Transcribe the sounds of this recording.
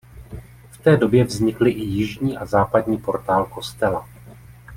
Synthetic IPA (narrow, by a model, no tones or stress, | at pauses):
ft̪ɛːdo̞bjɛvzɲɪklɪʔɪjɪʒɲiːʔazaːpadɲiːpo̞ɾt̪aːlko̞st̪ɛla